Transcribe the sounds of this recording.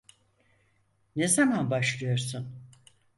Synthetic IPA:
ne̞zamanbaʃlˠɯjo̞ɾsun

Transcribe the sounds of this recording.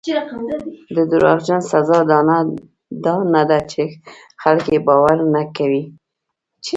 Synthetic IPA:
d̪əd̪ʊɾɑ̰ɣd͡ʒansazɑd̪na | d̪ɑnad̪at͡ʃe | xalkebɑwaɾnakawi | t͡ʃ

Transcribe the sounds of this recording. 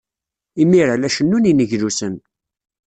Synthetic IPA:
imiɾalæʃənːuninəʝlusən

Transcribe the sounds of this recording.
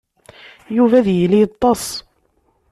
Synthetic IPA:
juvæðjəlit̪ˤːɑsˤ

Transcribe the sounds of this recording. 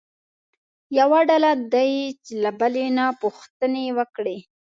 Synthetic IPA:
jawaɖalad̪ajt͡ʃlabalenapuxt̪ənewəkɽe

